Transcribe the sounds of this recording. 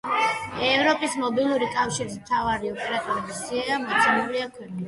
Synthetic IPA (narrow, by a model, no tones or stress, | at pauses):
ɛvɾɔpʼismɔbilˠuɾikʼafʃiɾismt̪ʰavaɾiɔpʼɛɾat̪ʼuɾlisiaamɔt̪sʰinuɾiakʰwɛni